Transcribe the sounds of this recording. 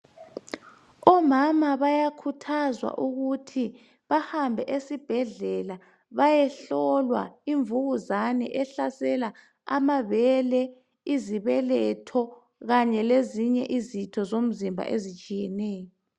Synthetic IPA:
ɔmamaβajakʰutʰazwa̰ʔuɣutʰi | βahambʱɛʔesib̥ʱɛɮɛla | βajɛɬɔlwa̰iɱvuɣuzanɛ̰ʔɛɬasɛla | a̰maβɛlɛ | iziβɛlɛtʰɔ | ɣaɲɛleziɲɛ̰ʔizitʰɔzom̩zimbʱa̰ʔezit͡ʃʼijɛnɛːjɔ

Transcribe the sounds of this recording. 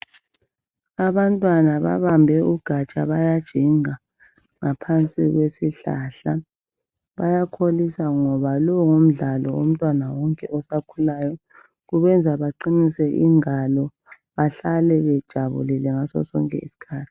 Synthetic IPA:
aβantʼwanaβa̰βambʱɛuɡ̥ʱat͡ʃʼaβajad̥ʒ̥ʱiŋa | ŋapʰant͡sʼiɣwesiɬa̰ɬa | βajakʰolisaŋɔβalɔwŋom̩ɮalɔ̰o̰m̩tʼwanawɔŋkʼɛʔɔsakʰulajɔ | ɣuβɛnd͡zʱaβaǃinisɛʔiŋalɔ | βaɬalɛβɛd̥ʒ̥ʱaβṵlilɛŋasɔ̰sɔ̰ŋkʼɛ̰ḭsi̥kʰaːtʰi̥

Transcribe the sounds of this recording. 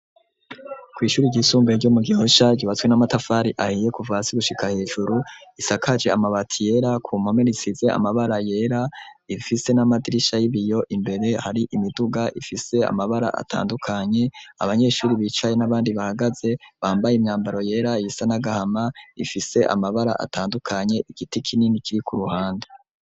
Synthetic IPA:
kwiːʃuːɾiɟisuːmɡeɾɟomuɡiho̞ʃaɟiβat͡swenamatafaɾiʔahije̞kuvasiɡuʃikahe̞ːʒuɾuisakʰad͡ʒe̞amaβatʰije̞ɾakʰumhomenisize̞a̰maβaɾaje̞ːɾaifise̞namadiɾiʃajiβijo̞ʔimbe̞ɾe̞haɾiʔimiduɡaʔifise̞a̰maβaɾa̰ʔa̰tʰa̰ːndukʰaɲe̞a̰βaɲe̞ʃuːɾiβiːt͡ʃaje̞naβaːndiβahaɡaze̞βaːmbajeimɲaːmbaɾo̞je̞ːɾajisanaɡahamaifise̞ʔa̰maβaɾa̰ʔa̰tʰaːndukʰaɲe̞ʔiɡ̥itikʰininikiɾikʰuɾuhaːnde

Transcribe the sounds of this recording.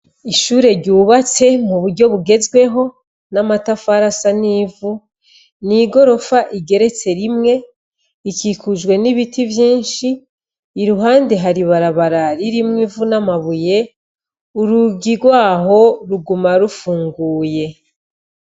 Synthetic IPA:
iʃuːɾe̞ɾɟuːβat͡se̞muβuɾɟo̞βuɡe̞zɡwe̞ɦo̞ | namatafaɾasaniːvu | niɡo̞ɾo̞faʔiɡe̞ɾe̞t͡se̞ɾimŋe̞ | ikikʰuʒwe̞niβitʰivjiːnʃiː | ɾuɦaːndeɦaɾiβaɾaβaɾaɾiɾimŋivunamaβuje̞ | uɾuɡiɡwaːɦo̞ɾuɡumaɾufuːŋɡuːje̞

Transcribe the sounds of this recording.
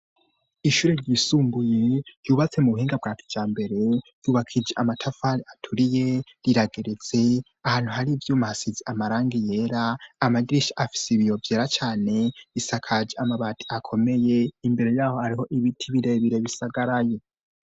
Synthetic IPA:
iʃuːɾeɾɟiːsuːmbuje̞juːβat͡se̞muβuhiːŋɡab̚ɡaːtʰi̥vd͡ʒaːmbe̞ɾe̞d̥uːβakʰid͡ʒeʔamatʰafaɾiatʰuɾije̞ɾiɾaɡeɾet͡se̞ | ahaːn̥huhaɾivjuːmahasizeʔamaɾaːŋɡije̞ːɾaːmaɡiɾiʃaʔafi̥seβijo̞vjeːɾat͡ʃaːne̞βisakʰad͡ʒeamaβatʰi̥akʰo̞me̞je̞imbe̞ɾe̞jaːho̞haɾiho̞ʔiβitʰiβiɾe̞βiɾe̞βisaɡaɾaje̞

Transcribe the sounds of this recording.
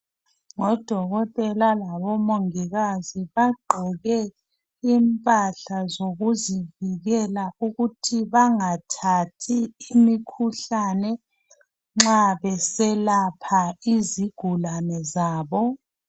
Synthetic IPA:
ŋɔd̥ʱɔɣɔtʼɛlalaβɔmoŋiɣaziβaɡ͡ǃʱɛɣɛ | impʼaɬazoɣuziviɣɛlauɣutʰiβaŋatʰatʰiːmikʰuɬanɛ | ŋ͡ǁaβɛsɛlapʰaiziɡ̥ʱulanɛzaːβɔ

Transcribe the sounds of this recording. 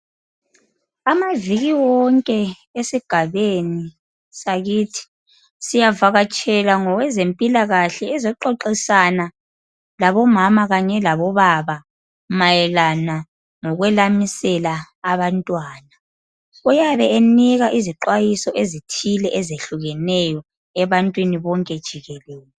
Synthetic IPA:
amaviɣiwɔŋkʼɛ | esiɡ̥ʱaβeni | saɣitʰi̥ | sijavaɣat͡ʃʼɛlaŋɔwɛzempʼilaɣaɬɛːzɔǃɔǃisana | laβɔmamaɣaɲɛlaβɔβaβa | majɛlana | ŋɔɣwɛlamisɛlaː | βantʼwaːna | ujaβɛeniɣaʔiziǃwajisɔʔezitʰilɛʔɛzeɬuɣɛnɛjɔ | ɛβantʼwiniβɔŋkʼɛd̥ʒ̥ʱiɣɛlɛːlɛ

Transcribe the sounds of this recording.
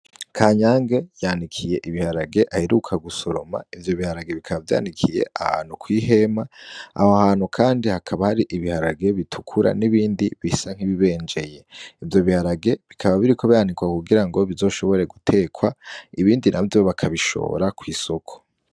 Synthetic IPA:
kʰaːɲaːŋɡe̞jaːndikʰije̞ʔiβihaɾaɡe̞ʔaheɾukʰaɡuso̞ɾo̞̰ma̰ivjo̞βihaɾaɡe̞βikʰaβavja̰ːndikʰije̞̰ʔaha̰ːn̥ukwiːɦe̞maa̰hohaːnhukʰaːndihakʰaβahaɾiʔiβihaɾaɡe̞βitʰukʰuɾa̰niβiːndiβisaŋ̥hiβiβe̞ːnd͡ʒe̞je̞ivjo̞βihaɾaɡe̞βikʰaβaβiɾiko̞βianikwakuɡiɾaŋɡo̞βizo̞ːʃo̞βo̞ɾe̞ɡutʰe̞ːkʰwaiβiːndinʔavjooβakʰaβiʃo̞̰ːɾakwiːso̞kʰo̥

